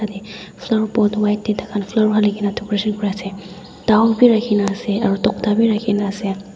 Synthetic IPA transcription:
adɛ | fʰlaɹpɔtwajtːɛtakʰanfʰlaɹuɦalikinatʰɔkɹesɔnkɔɹiasɛ | taɔbiɹakʰinaːsɛaɹutɔkdabiɹakʰinaːsɛ

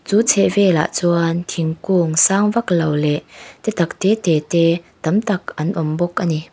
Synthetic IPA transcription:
t͡suːt͡sʰɛʔvɛːla̰ʔt͡suɐnt̪ʰiŋkuŋsaːŋvɐklowlɛʔt̪ɛt̪ɐk̚t̪ɛːt̪ɛːt̪ɛːt̪ɐmt̪ɐk̚ʔɐnʔɔmbɔkʔɐni

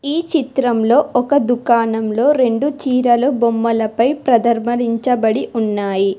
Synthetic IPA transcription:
iːt͡ʃit̪ɾɐmlo̞ːɔkɐd̪ukaːnɐmlo̞ːɾe̞ɳɖut͡ʃiːɾɐlubomːɐlɐpɐjpɾɐd̪ɐɾmɐɾiɲt͡ʃɐbɐɽiunːaːji

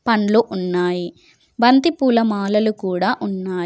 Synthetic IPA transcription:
pɐɳloːʔunːaːji | bɐnt̪ipuːlɐmaːlɐlukuːɽaːʔunːaː

